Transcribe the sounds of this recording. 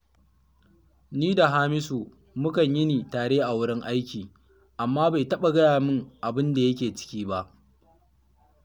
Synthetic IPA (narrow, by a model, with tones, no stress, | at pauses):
niː˦da˨ɦaː˦mɪ˦suː˨ | mʊ˦kɐ˨ɲjɪ˦niː˨taː˨ɽeː˦ʔa˨wʊ˦ɽɪ˦ŋʔa˦jkʲiː˨ | ʔa˨mːaː˦ba˨jtɐ˦ɓa˨ɡɐ˦jaː˨mɪ˦ŋʔa˨bɪ˦nda˨jɐ˦k̬ʲeː˨t͡ʃɪ̥˦kʲiː˦ba˦ʔ